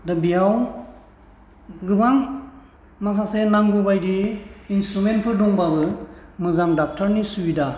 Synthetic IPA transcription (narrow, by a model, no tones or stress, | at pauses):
dabijaw | ɡɯbaŋ | masasenaŋɡubajdiːnstɾument̚pʰɯdɔŋbabɯmɯzamdap̚tʰaɾnisuida